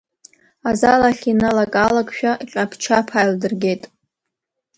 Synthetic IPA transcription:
azalaχʲinalakʼalakʼʃᶣaqʲʼapʰt͡ʃʰapʰajldɨrɡʲe̞jtʼ

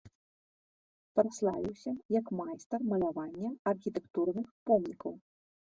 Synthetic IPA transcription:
pɾaslˠa̰vʲiwsʲɐjɐkmajst̪ɐrmɐlʲavanʲːɐɐrxʲit̪ɛkt̪urnɨxpɔmnʲikɐw

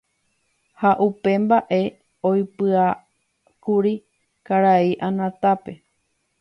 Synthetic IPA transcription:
haʔupe̞mbaʔe̞ | ojpɨa | kuɾi | kaɾaiʔãnãt̪ape̞

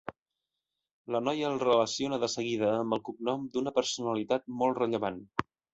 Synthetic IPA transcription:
lənɔjəːlˠrələsionəðəsəɣiðəːmbəlˠkuɡ̚nɔmd̪unəpəɾsunəlit̪at̪̚mɔlˠtrəʎəβan

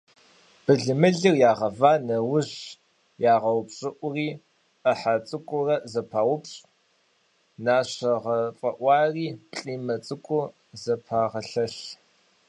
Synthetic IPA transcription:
b̥ɨɮɨmɨɮirjaːʁɐvaːnɐwʊʑ | jaːʁɐwʊpɕʼɪʔʷʊriː | ʔəħat͡sʼɨkʷʼʊrɐzɐpʰaːwʊpɕʼ | naːɕɐʁɐfʼɐʔʷɑːriːɬʼiːmɐt͡sʼɨkʷʼʊ | zɐpʰaːʁɐɬɐɬ

